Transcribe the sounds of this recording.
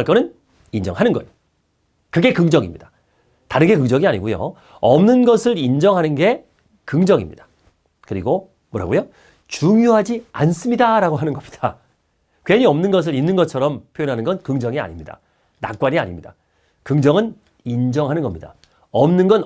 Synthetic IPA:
aɭk͈ʌnɯn | ind͡ʑʌ̰ŋɦanɯnɡʌjo | kɯɡe̞kɯŋd͡ʑʌŋḭmɲida | taɾɯnɡe̞kɯŋd͡ʑʌŋiaɲiɡujo̰ | ʌmnɯnɡʌsʰɯɾind͡ʑʌŋɦanɯnɡe̞ | kɯŋd͡ʑʌŋḭmɲḭd̥ḁ | kɯɾiɡo | mwʌɾa̰ɡojo | t͡ɕuŋjoɦad͡ʑia̰ns͈ɯmɲidaɾaɡoɦanɯnɡʌmɲid̥a | kweɲiʌmnɯnɡʌs̬ʰɯɾinːɯnɡʌt͡ɕʰʌɾʌmpʰjojʌnɦanɯnɡʌnkɯŋd͡ʑʌŋia̰ɲimɲida̰ | na̰k͈waɲia̰ɲimɲida | kɯŋd͡ʑʌŋɯn | ind͡ʑʌŋɦanɯnɡʌmɲida̰ | ʌmnɯnɡʌn

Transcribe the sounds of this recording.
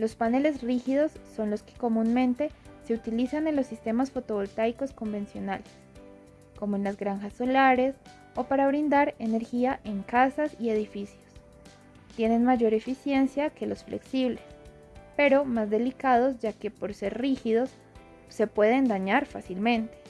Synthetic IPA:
lo̞spanele̞z̬rixiðo̞sːo̞nlo̞ske̥ko̞mũnmẽ̞nt̪e̞se̞ut̪ilisane̞nlo̞sːist̪e̞masfo̞t̪o̞βo̞lt̪ajko̞sko̞mbe̞nsjo̞nale̥s | ko̞moenlazɡɾaŋxasːo̞laɾe̞s | o̞paɾaβ̞ɾind̪aɾe̞ne̞ɾxiaʔe̞ŋkasasie̞ð̞ifisjo̞s | t̪je̞ne̞nmaʝo̞ɾe̞fisje̞nsjake̞lo̞sfle̞̰ksiβle̞s | pe̞ɾo̞mazd̪e̞likað̞o̞zd͡ʒake̞po̞ɾse̞ɾrixiðo̞sː | e̞pwe̞ðe̞nd̪aɲaɾfasilmẽ̞nt̪e̥

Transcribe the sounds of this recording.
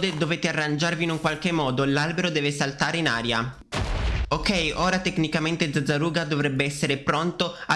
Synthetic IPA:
d̪ed̪oveːt̪earːand͡ʒarviːnuŋkwalkemːɔːd̪olalbeɾod̪ɛːvesalt̪aːɾeinaːɾja | okɛjʔoːɾat̪eknikament̪ed̪zad̪zaɾuːɡad̪ovɾɛbːeɛsːeɾepɾont̪oa

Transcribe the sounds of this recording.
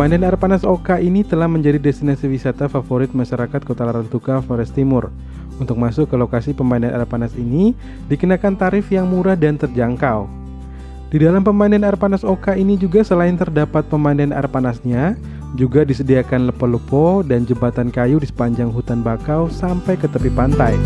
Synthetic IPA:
pəmainanarpanasokaʔinit̪əlahməɲd͡ʒadidɛst̪inasiwisat̪afafoɾɪt̪̚maʃaɾakat̪̚kot̪alaɾant̪ukafoɾɛst̪imʊr | unt̪ʊk̚masʊkːəlokasipəmainanʔɛ̰rpanasini | dikənakant̪aɾɪfjaŋmuɾahdant̪ərd͡ʒaŋkaw | didalampəmainanɛrpanasokainid͡ʒuɡasəlaɪnt̪ərdapat̪̚pəmainanɛ̰rpanasɲa | d͡ʒuɡadisədiakanləpoləpodand͡ʒəbat̪ankajudisə̥paɲd͡ʒaŋɦut̪anbakawsampajkət̪əpipant̪aj

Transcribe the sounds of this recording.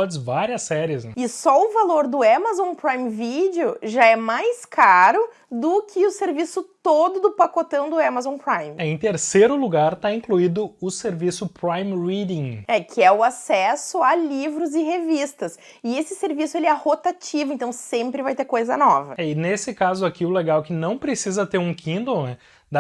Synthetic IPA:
ɔd͡ʒɪzvaɾiɐsːɛɾiɪsɛɪsɔʊvaloɾd̪ʊamazõw̃pɾaj̃mvid͡ʒɪʊʒaɛmajskaɾʊ | d̪ʊkʰɪʊseɾvisʊt̪od̪ʊd̪ʊpakot̪ɐ̃w̃d̪ʊamazõpɾãjmɛẽj̃t̪eɾseɾʊluɡaɾt̪aĩkluid̪ʊʊseɾvisʊpɾajmɾid̪ĩɛkʰɪɛʊasɛsʊalivɾʊzɪɦevist̪ɐs | ɪesɪseɾvisʊelɪɛhot̪at͡ʃivʊẽnt̪ɐ̃w̃sẽmpɾɪvajt̪eɾkojzɐ̰nɔ̰vɐ̰ɛɪnesɪkazʊakiʊleɡawkɪnɐ̃w̃pɾesizɐt̪eɾũkʰĩnd̪ownɛ | d̪a

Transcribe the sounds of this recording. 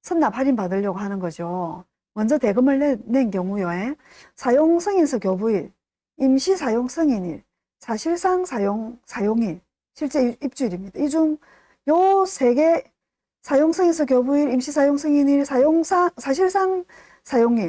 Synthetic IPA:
sʰʌnːaphaɾimpadɯʎːʌɡoɦanɯnɡʌd͡ʑio | mʌnd͡ʑʌte̞ɡɯmɯɭnenenkjʌŋujʌe̞ | sʰajoŋsʰʌŋinsʰʌkjobuiɾ | imɕʰisʰajoŋsʰɯŋiniɭ | sʰaɕʰiɭs͈aŋsʰajoŋsʰajoŋiɭ | ɕʰiɭt͡ɕ͈e̞ip̚t͡ɕ͈uiɾimɲidaid͡ʑum | josʰe̞ɡe | sʰajoŋsʰʌŋinsʰʌk̬jobuiɾimɕʰisʰajoŋsʰʌŋiniɭsjoŋsʰasʰaɕ̬ʰiɭs͈aŋ | sʰajoŋiɭ

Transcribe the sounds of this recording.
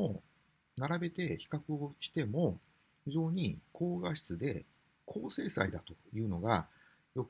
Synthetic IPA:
o | naɾabe̞t̪e̞çi̥kakɯ̟o̞ɕi̥t̪e̞mo̞ | ɸɯ̟zo̞ːɲ̟ikʰo̞ːɡaɕi̥t͡sɨd̪e̞ | kʰo̞ːse̞ːsa̰id̪at̪o̞̥jɯ̟ːno̞ɡa | jo̞k

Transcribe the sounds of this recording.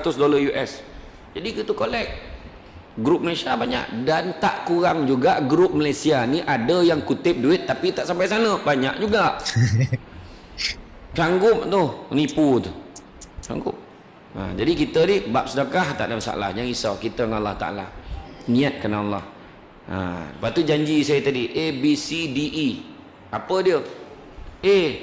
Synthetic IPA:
at̪ʊsdoləjuʔɛs | d͡ʒadikit̪ukolɛk̚ | ɡɾʊp̚məlasiabaɲa̰ʔdant̪aʔkuɾaŋd͡ʒuɡaʔɡɾʊp̚məlajsianiʔadəjaŋkut̪ɪp̚duɪt̪ːapit̪aʔsampajsanə̃baɲaʔ̚d͡ʒuɡaʔ | saŋɡʊp̚t̪ʊhniput̪u | sa̰ŋɡʊ̰p̚ | ə̰d͡ʒadikit̪ənihbap̚sudakaht̪a̰ʔdamasa̰ʔa̰la̰hd͡ʒaŋisakit̪əŋalːaht̪a̰ʔa̰la̰niat̪̚kanaalːah | ʔə̰dəpat̪ud͡ʒaɲd͡ʒisajət̪adiʔebisidiʔi | apədiə | e

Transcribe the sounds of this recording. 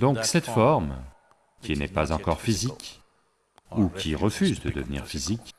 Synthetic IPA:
d̪ɔ̃ksɛt̪fɔʁm | kʲinɛpazɑ̃kɔʁfizik | ukʲiʁəfyzd̪əd̪əvnḭʁfizik

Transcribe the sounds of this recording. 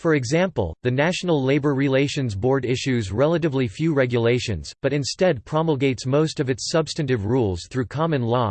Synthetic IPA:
fə˞ɨɡzæ̃mpl̩ˠðɨnæʃn̩l̩ˠleɪbə˞ɹileɪʃɨ̃nzbɔɹɾɪʃʉzɹɛlˠəɾɨvlifjʉɹɛɡjɨleɪʃɨ̰̃nnz̥b̥ʌɾɨ̃nstɛd̚pʰɹ̥ɑml̩ˠɡeɪtsmoʊstʌvɨtsʌb̥stɨ̃ntɨvɹulˠz̥θɹʉkʰɑmɨ̃nlɔ

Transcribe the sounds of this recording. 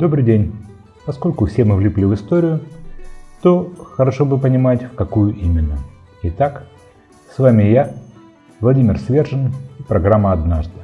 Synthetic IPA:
d̪o̞bɾɨjdʲenʲ | pɐsko̞lʲkʊfsʲe̞mɨvlʲɪplʲivɨst̪o̞ɾʲɪjʊ | t̪o̞xəɾɐʂo̞bɨpənʲɪmatʲfkɐkujʊʔimʲɪnːə | ɪt̪ak | svamʲɪja | vlˠɐdʲimʲɪrsvʲe̞rʐɨnipɾɐɡɾamːəɐd̪naʐd̪ɨ

